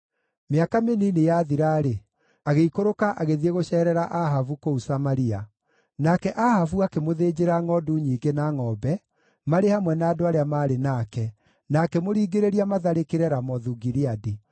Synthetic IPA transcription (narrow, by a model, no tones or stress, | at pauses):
meakameninejaðiɾaːɾe | aɣeikoɾokaʔaɣeðieɣoɕɛːɾɛɾaʔaɦavukousamaɾia | nakɛʔahavuakemoðeːd͡ʑeɾaŋɔduɲiːɡenaŋɔːbɛ | maɾehamwɛnaːdoaɾeamaːɾenaːkɛ | nakɛmoɾiːɡeɾeɾiamaðaɾekeɾɛɾamɔðuɡiɾeadi